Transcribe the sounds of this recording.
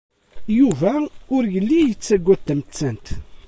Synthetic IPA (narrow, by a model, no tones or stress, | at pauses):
juvæʊɾjəlːijət͡sːæɡʷːæt̪ːəmət͡sːənt̪